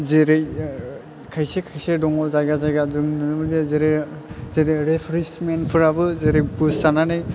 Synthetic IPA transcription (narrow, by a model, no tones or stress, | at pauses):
zeɾej | kʰajsekʰajsedɔŋɔzajɡazajɡadɯŋnɯnɯmɯdezeɾe | zeɾejɾepʰɾismenpʰɯɾabɯzeɾejbussananɯj